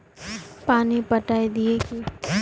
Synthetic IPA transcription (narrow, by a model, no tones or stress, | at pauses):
paːnipəʈaːed̪iekiː